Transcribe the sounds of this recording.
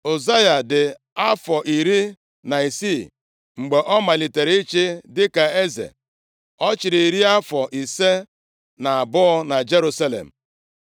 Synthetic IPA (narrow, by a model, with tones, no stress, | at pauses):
o˨za˦ja˨dɪ˨ | a˦fɔ˨ʔi˨ɾi˦ | na˨i˨si˦˨ | ŋ͡m̩˨ɡ͡be˨ʔɔ˦ma˨li˨te˨ɾe˨i˦t͡ʃe˦dɪ˦ka˨e˦zḛ˨ | ɔ˦t͡ʃɪ˨ɾi˨i˨ɾi˦a˦fɔ˨ʔi˨se˦ | na˨a˨bʊ˦ɔ˦na˨d͡ʒe˦ɾu˦sa˦lḛ˨m̩˨